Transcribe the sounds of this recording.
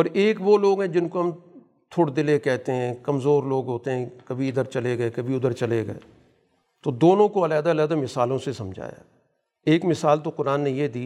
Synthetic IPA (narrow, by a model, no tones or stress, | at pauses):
ɔːɾeːkʋoːloːɡɦɛ̃ːd͡ʒɪnkoɦɐm | t̪ʰʊɽd̪ɪlekɛɦt̪eɦɛ̃ːkɐmzoːɾloːɡɦoːt̪eɦɛ̃kəbʱiɪd̪əɾt͡ʃɐleɡəeːkɐbʱiʊd̪əɾt͡ʃəleːɡɐ̰ḛː | t̪oːd̪oːnõːkoəlɛːd̪aːlɛːd̪aːmɪsaːlõsesɐmd͡ʒʱa̰ːja̰ː | eːkmɪsaːlt̪oːkʊɾaːnːẽjeːd̪iː